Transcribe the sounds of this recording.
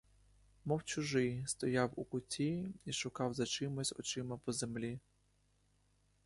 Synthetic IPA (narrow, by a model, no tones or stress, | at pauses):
mɔwt͡ʃʊʒɪjst̪ɔjawṵkʊtʲiiʃʊkɑwzɐt͡ʃɪmɔsʲɔ̰t͡ʃɪmɐpɔzemlʲi